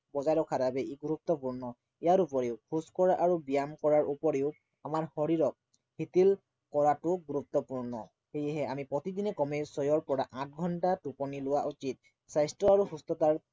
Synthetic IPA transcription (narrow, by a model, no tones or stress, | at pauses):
bɔzaɹɔkʰaɾabɛiɡuɹup̚t̪ɔpuɹnɔ | ijaɹup̬ɔɹeʊkʰuskɔɹaʔaɹubijamkɔɹaɹupɔɹeʊ | amaɹhɔɹiɹɔk̚ | hit̪il | kɔɹatʊɡuɹup̚t̪ɔpuɹnɔ | hejɛɦɛamipɹɔt̪id̪inɛkɔmesɔjɔɹpɔɹaʔãt̚ʰɡʱɔntatupɔnilʊwaʔut͡ʃit̪̚ | sajstɔaɹuhustɔtaɹ